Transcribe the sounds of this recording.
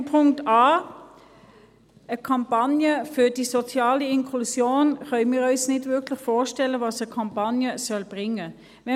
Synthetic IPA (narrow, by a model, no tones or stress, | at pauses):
pʰʊŋktaː | əkʰɑmpanjəfydisot͡sjɑːliɪŋkʰlusjoːnχœʏmiːʁœʏsnɪdvʏkʰlɪχfoːʃtɛləvɑːsəkʰɑmpɑnjəsœlb̥ʁɪŋə | vɛ